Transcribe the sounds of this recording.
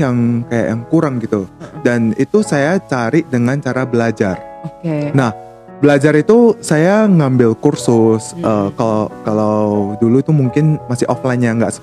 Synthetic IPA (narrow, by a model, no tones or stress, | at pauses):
jaŋkaja̰ʔjaŋkuɾaŋɡit̪udanit̪usajat͡ʃaɾɪʔdəŋant͡ʃaɾabəlad͡ʒarokenah | bəlad͡ʒaɾit̪usajaŋambɪlkursʊsʔəːkalkalawduluit̪umuŋkɪnmasɪʔɔflaɪnjaŋɡaʔsə̥